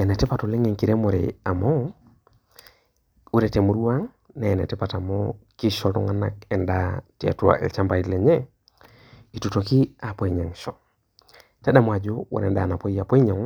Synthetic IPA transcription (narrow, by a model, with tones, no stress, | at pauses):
e˨ne˨te˦pa˨to˨le˦ŋe˨ŋki˨ɾe˦mo˨ɾḛa˨mo˦ | u˦ɾe˨te˨mu˨ɾu˦wa˦ŋ | ne˨nḛ˨ti˦pa˨ta˨moki˦ʃotɔ̰˨ŋa˦na˨k̚e˨ndati˦a̰˨tua̰˨ʔḛ˨lt͡ʃa˦mba˨ile˨ɲe˦ | i˨tuto˨ki˦a˨po˨i˨ɲa˨ŋʃo˨ | te˦ɗa˦˨mwa˨d͡ʒo˦wo̰ɾḛ˨nda˨na˨po˦i˦a˨po˦i˦ɲa˨ŋ